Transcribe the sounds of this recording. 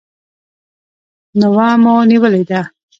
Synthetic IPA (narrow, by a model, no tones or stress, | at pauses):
nawɑmoniwəled̪a